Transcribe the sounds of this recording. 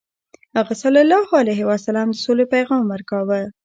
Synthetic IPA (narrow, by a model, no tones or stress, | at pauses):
haɣasalalɑhoalajɦɪwasalɑmd̪əsolepajɣɑmwəɾkɑwə